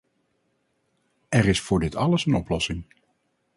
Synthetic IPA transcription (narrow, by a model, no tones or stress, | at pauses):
ɛɾɪsfʊːɹdɪtʰɑləsənɔplɔsɪŋ